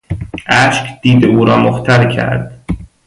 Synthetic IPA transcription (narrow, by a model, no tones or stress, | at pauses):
ʔæʃkʰd̪̥iːd̪eʔuːɾɒːmoxt̪ʰæɾcʰæ̰ɾd̪̥